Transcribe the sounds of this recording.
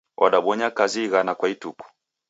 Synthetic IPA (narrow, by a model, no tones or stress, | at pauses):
ʔɔɗaɓɔɲakaziɣanakwaituku̥